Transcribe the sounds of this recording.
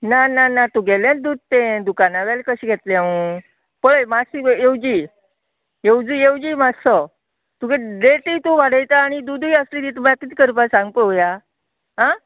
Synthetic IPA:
nananat̪uɡeljãd̪ud̪̚t̪ẽd̪ukanaʋalkəɕiːɡʱet̪leaũ | pəɭəjmasiewd͡ʑiː | ewd͡zijewd͡ʑimad͡zsɔ | t̪uɡedeʈit̪uʋaɽəjt̪aːɽ̃id̪ud̪ʱujəslid̪it̪mlakit̪ikəɾpasãŋɡpəoja | ɦa

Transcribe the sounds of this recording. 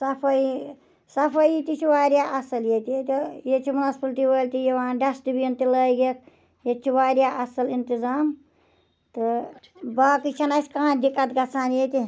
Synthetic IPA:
sɐpʰɐ | sɐpʰɐjit̪it͡ʃʰiʋaːɾʲjaʔɐsɐljet̪ijet̪ijet͡ʃʰimunɐspɨlʈ̪iwəːlʲt̪ijeʋaːɖɐsʈ̪ibijɐnt̪iləjɡek | jet͡ʃʰiʋaːɾjaːʔɐsɐlint̪izaːm | t̪ɨ | baːkit͡ʃʰɐnɐsʲkãːd̪ikːɐt̪ɡɐsʰaːnjet̪i

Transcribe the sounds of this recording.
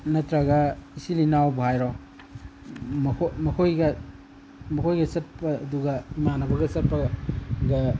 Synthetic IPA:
nɐtɾaɡɐisilinawbuhajɾɔ | mɐkʰomɐkʰojɡɐ | mɐkʰojɡɐsɐt̚pɐːduɡɐimanɐbɐɡɐsɐt̚pɐɡɐ

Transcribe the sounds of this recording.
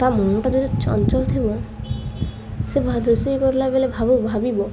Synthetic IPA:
t̪amɔɦɔʈad̪iɾet͡ʃɔ̰nt͡ʃɔlt̪ʰibɔ | sebʱad̪ɾusijkɔɾulabelebʱabubʱabibɔ

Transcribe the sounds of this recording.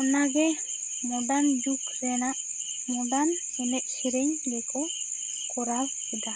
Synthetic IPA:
ɔnaɡɛ | mɔdandukɾɛnaʔ | mɔdan | ɛnɛʔ̚siɾeɲlɛkʰɔ | kɔɾawkid̪a

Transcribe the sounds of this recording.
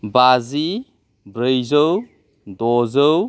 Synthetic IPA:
bazi | bɾəjzəw | dɔzəw

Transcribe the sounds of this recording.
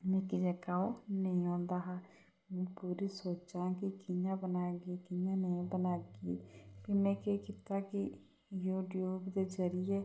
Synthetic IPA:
mɛ̃ːkid͡ʒɛkaːonəĩõːnd̪aːɦaː | mɛ̃ːpuːɾisoːt͡ʃãːkɪkɪjãːbənaːɡiːkɪjãːnəĩbənaːɡiːpimɛ̃ːkeːkɪt̪aːkɪ | juːʈjuːbd̪eːzəɾɪjeː

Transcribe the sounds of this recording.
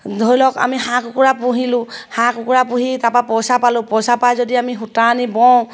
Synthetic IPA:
d̪ʱojlɔka̰miɦãkʊkuɹapuɦilʊ̃hãkʊkuɹapuɦitapapɔsapalʊ̃pɔsapajzodiamiɦutanibɔw̃

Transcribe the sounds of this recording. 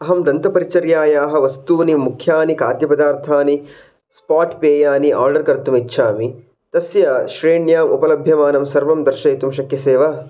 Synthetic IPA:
ɐɦɐmd̪ɐnt̪ɐpɐɾit͡ʃɐɾjaːjaːɦɐ̆ʋɐst̪uːʋɐnimukʰjaːnikaːd̪jɐpɐd̪aːɾt̪ʰaːni | spaːʈpeːjaːniʔa̰ːɾɖɐɾkɐɾt̪umitːʃʰaːmi | t̪ɐsjaʃɾeːɳjaːmṵpɐlɐbʱjɐmaːnɐmsɐɾʋɐmd̪ɐɾʃɐːt̪umʃɐkjɐseːʋa

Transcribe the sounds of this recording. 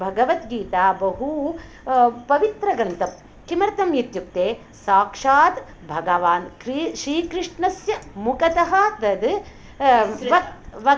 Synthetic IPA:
bʱɐɡɐʋɐt̪ɡiːt̪aːbɐɦu | pɐʋit̪ɾɐɡɐnt̪ɐp | kimɐɾt̪ɐmjit̪juk̚t̪eː | saːkʂaːt̪ | bʱɐɡɐʋaːnkɾʃɾiːkɾɪʂɳɐsjɐmukɐt̪ɐɦɐ̆t̪ɐd̪ | ɐʋɐ

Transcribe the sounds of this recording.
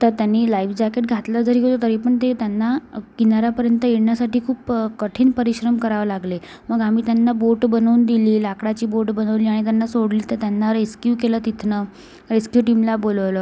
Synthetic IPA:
t̪əɾt̪janːiːlajʋd͡ʑakeʈ̚ɡʱat̪ləd͡zəɾiɦot̪ot̪əɾipəɳt̪et̪janːakinaɾapəɾjənt̪əjeɽɳjasaʈiːkʰuːpkəʈʰiːnpəɾiɕɾəmkəɾaʋəlaɡle | məɡam̤iːt̪janːaboʈbənəund̪iliːlakɽat͡ɕiːboʈbənəʋliːaɽ̃it̪̬janːasoɽliːt̪əɾt̪janːaɾeskjuːkelət̪it̪ʰnə | ɾeskjuːʈimlaboləʋləː

